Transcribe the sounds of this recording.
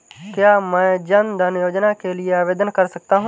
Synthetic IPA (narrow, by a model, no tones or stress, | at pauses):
kjaːmɛ̃ːd͡ʒənd̪ʱənjoːd͡ʒnakelieaːʋeːd̪ənkəɾsək̚t̪aɦũ